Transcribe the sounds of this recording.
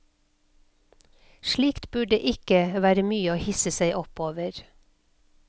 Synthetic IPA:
ʃliːkt̪bʉɖḛːʔɪkəʋæːɾəmyːəoːhɪsəsæɪʔɔpoːʋəɾ

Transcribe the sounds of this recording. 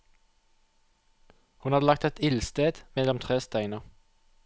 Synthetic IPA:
hʉnhɑːd̪lɑkt̪ɛt̪ɪlst̪eːd̪̥mɛlɔmt̪ʰʁeːst̪æɪnə

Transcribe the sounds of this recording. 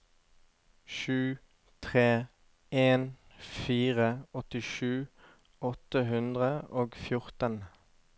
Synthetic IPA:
ʃʉː | t̪ʰʁeː | eːn | fiːʁəɔt̪ɪʃʉː | ɔt̪əɦʉnd̪ʁəoːɡfjʊʁt̪ən

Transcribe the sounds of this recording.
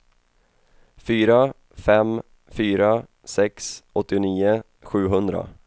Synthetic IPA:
fyːɾa | fɛm | fyːɾa | sɛksʔɔt̪ːɪʊniːʊ | ɧʉ̟ːɦɵnd̪ɾa̰

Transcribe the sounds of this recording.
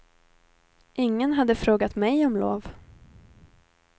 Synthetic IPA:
ʔɪŋːənɦad̪ːəfɾoːɡat̪mɛjɔmlo̰ːv

